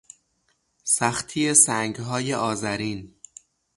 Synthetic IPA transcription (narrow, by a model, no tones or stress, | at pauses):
sæxt̪ʰijesæŋɡɦɒːje̞ʔɒːzæɾiːn